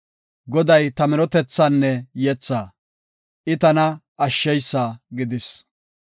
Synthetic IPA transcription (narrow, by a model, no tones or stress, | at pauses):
ɡɔd̪ɐjt̪ɐmɪɾɔt̪ɛt͡sːaːnːɛjɛt͡sːaː | ʔɪt̪ɐnɐ | ɐʃːɛjsːaːɡɪd̪ɪs